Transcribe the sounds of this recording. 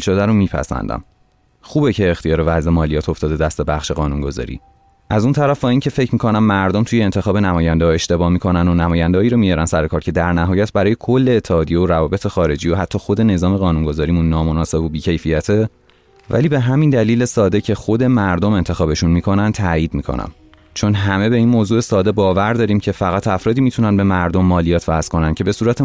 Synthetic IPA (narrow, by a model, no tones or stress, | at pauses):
lʃod̪æɾomiːpʰæ̰sæ̰nd̪æ̰m | xuːbecʰeːxt̪ijɒːɾevæzʔemɒːlijɒːt̪ʰo̞ft̪ɒːd̪e̞d̪æst̪ebæχʃe̞ɣɒːnunɡo̞zɒ̰ːɾḭː | ʔæzunt̪ʰæɾæfbɒːiːncʰe̞fe̞cʰmikʰo̞næmːæɾd̪omt̪ʰujeːnt̪ʰe̞xɒːbe̞næmɒːjænd̪eɒe̞ʃt̪e̞bɒːmikʰo̞nænd̪onæmɒːjænd̪eɒːiɾomijɒɾænsæɾekʰɒːɾcʰe̞d̪æɾnæɦɒːjæt̪̚bæɾɒːjekʰo̞lːeːt̪ʰːeɒːd̪ijeoɾævɒːbe̞t̪ʰe̞xɒːɾe̞d͡ʒiːjohæt̪ʰːɒːxo̞d̪e̞ne̞zɒːme̞ɣɒːnuŋɡo̞zɒːɾimunːɒːmo̞nɒːse̞bobiːcʰe̞jfijæt̪ʰe̞ | væ̰liːbe̞ɦæmind̪æliːlesɒːd̪e̞cʰexo̞d̪e̞mæɾd̪ome̞nt̪ʰe̞xɒːbe̞ʃunmiːkʰo̞nænd̪t̪ʰæːjiːd̪̚miːkʰo̞̰næ̰m | t͡ʃʰo̞nɦæme̞be̞inmoːzuːe̞sɒːd̪e̞bɒːvæɾd̪ɒːɾiːmcʰe̞fæɣæt̪ʰæfɾɒːd̪iːmit̪ʰunænbe̞mæɾd̪omːɒːlijɒːt̪ʰvæskʰo̞næncʰe̞be̞suːɾæt̪ʰe